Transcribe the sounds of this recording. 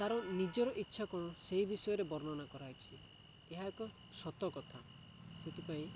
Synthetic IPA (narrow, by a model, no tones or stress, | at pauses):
t̪aɾɔnid͡ʒɔɾɔʔitːʃʰakɔɽ̃ɔseɦibisɔjɔɾebɔɾnɔnakɔɾajt͡ʃʰi | eɦakɔ | sɔt̪ɔkɔt̪ʰa | set̪ʰipaĩ